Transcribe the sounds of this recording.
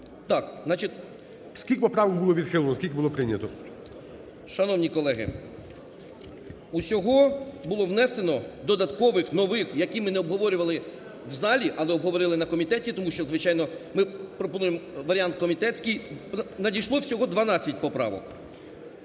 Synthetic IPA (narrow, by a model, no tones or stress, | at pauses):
t̪ɑkznɑt͡ʃit̪ʲ | skʲilʲkpɔpɾɑʋɔk̚bʊlˠɔʋʲid̪xɪlˠɔnɔskʲilʲkʲbʊlˠɔpɾɪnʲɐt̪ɔ | ʃɐnɔwnʲikɔlˠɛɦɪ̰ | usʲɔɦɔbʊlˠɔʋnɛse̞nɔd̪ɔd̪ɐt̪kɔʋɪxnɔʋɪxjɐkʲimɪnɛɔbɦɔʋɔɾʲʊʋɐlˠɪ | wzɑlʲiʔɐlˠɛɔbɦɔʋɔɾɪlˠɪnɐkɔmʲit̪ɛtʲit̪ɔmuʃt͡ʃɔzʋɪt͡ʃɑjnɔmɪpɾɔpɔnujemʋɐɾʲiɑnt̪̚kɔmʲit̪ɛt͡sʲkɪjnɐdʲijʃlˠɔwsʲɔɦɔd̪ʋɐnɑt͡sʲːɐtʲpɔpɾɑ̰ʋɔ̰k